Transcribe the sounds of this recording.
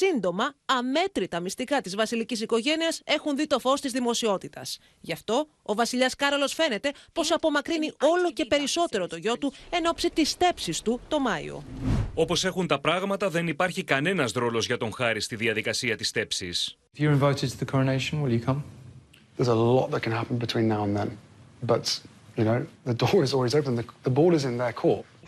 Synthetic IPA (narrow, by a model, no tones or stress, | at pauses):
sind̪o̞mɐɐme̞t̪ɾit̪ɐmist̪ikɐt̪izvɐsilicisiko̞ʝe̞niɐse̞xunðit̪o̞fo̞st̪izðimo̞sio̞t̪it̪ɐs | ʝɐft̪o̞ː | vɐsiʎɐskɐɾolo̞sfe̞ne̞t̪e̞po̞sɐpo̞mɐkɾinio̞lo̞ce̞pe̞ɾiso̞t̪e̞ɾo̞t̪o̞ʝo̞t̪ue̞no̞psit̪ist̪e̞psist̪ut̪o̞mɐḭo̞̰o̞po̞se̞xunt̪ɐpɾɐɣmɐt̪ɐðe̞nipɐɾçikɐne̞nɐzðɾo̞lo̞zʝɐt̪o̞ŋxɐɾist̪iðiɐðikɐsiɐt̪ist̪e̞psis | ɪfjəɹɪ̃ɱvaɪtɪd̚tʰəðəkʰɔɹəneɪʃə̃nwɪljəkʰʌ̃m | ðəzəlɔ̰ʔ̪̚ðət̚kʰə̃nhapə̃n̩bɪtʰw̥ĩnːaʊə̃nðə̰̃nbʌt | jɨnoʊðədɔːɹɪzɔlˠwizəʊpə̃n̩ðəðəbɔːɾəzɪ̃nðəkʰɔɹt